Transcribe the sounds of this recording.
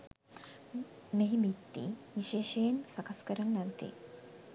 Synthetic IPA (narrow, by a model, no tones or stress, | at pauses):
neɦimit̪ːḭʋiʃeːʃejnsɐkɐskəɾɐnːɐnt̪ḭ